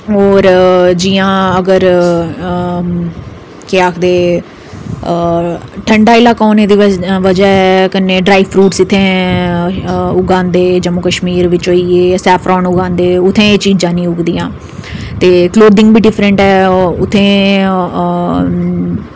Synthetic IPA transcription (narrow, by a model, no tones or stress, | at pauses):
ɦoːɾd͡ʒijãːəɡəɾ | keaːkʰd̪eː | ʈʰəɳɖaːɪlaːkɔːneːd̪iːʋəd͡ʒɛːɛkənːẽːɖɾaːiːpʰɾuːʈsɪt̪ʰːẽː | ʊɡãːnd̪eːd͡ʒəmokəʃmiːɾʋɪt͡ʃɦoːiːeːsɛːpʰɾɔːnʊɡãːnd̪eːʊt̪ʰːẽːet͡ʃiːd͡ʒd͡ʒaːnĩːʊɡd̪iːãː | t̪eːkloːd̪ɪ̃ŋɡbiːɖɪpʰɾəɳʈɛːʊt̪ʰːẽː